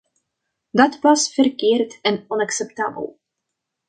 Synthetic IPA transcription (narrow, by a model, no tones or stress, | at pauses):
dɑtʋɑsfərkɪːrtɛnɔnɑksɛpta̰ːbə̰lˠ